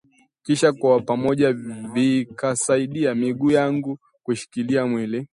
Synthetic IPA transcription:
kiʃakwapamɔʄavikasaiɗiamiɠuːjaŋɡu | kuʃi̥kiliamwili

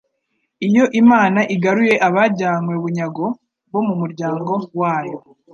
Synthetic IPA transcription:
ijo̞ʔimaːnaʔiɡaɾuje̞ʔaβaɟaːŋwe̞βuɲaɡo̞ | βo̞mumuɾɟaːŋɡo̞waːjo

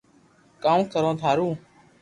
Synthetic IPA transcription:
kaːmkəɾõːd̪ʱaːɾũː

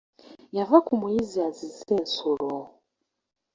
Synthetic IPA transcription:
javakumujiziazizɛnsoɺɔ

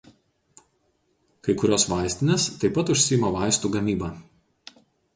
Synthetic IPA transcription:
kɐɪkʊɾʲoːsʋɑˑɪsʲt̪ʲɪnʲest̪ɐɪpɐt̪ʊʃʲsʲɪjɪmɐʋɑˑɪst̪uːɡɐmʲiːbɑː

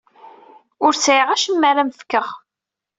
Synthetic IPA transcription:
ʊɾsʕɪʁæʃəmːæɾæmfkːəʁ

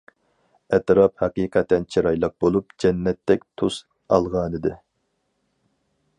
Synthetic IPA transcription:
ɛt̪ɾɑphɑqiqʰɛt̪ːɛnt͡ʃʰiɾɑjlˠɑq̚bolˠupd͡ʒɛnːɛt̪ʰːɛk̚ʲt̪ʰus | ɑ̰lˠʁɑːnɨd̪ɪ

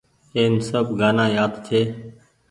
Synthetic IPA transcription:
eːnsəbɡaːnaːjaːd̪t̪ʰeː

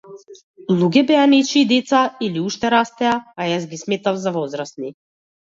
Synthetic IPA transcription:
lˠuɡʲɛbɛanɛt͡ʃiːd̪ɛt̪sailiuʃt̪ɛɾast̪ɛaːjazɡʲismɛt̪avzavɔzɾast̪ni

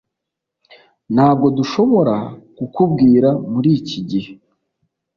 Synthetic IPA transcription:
nhaːbɡo̞duʃo̞βo̞ɾakukub̚ɡiːɾamuɾiːciɟihe

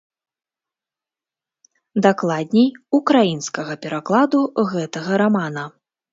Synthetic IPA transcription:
d̪aklˠad̪ʲnʲɛjukɾajinskɐɣɐpʲɛɾaklˠad̪uɣɛt̪ɐɣɐɾamanɐ

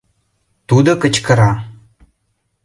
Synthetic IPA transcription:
tudɐkət͡ʃkʰɐɾaː

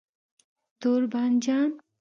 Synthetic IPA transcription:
t̪uɾband͡ʒan

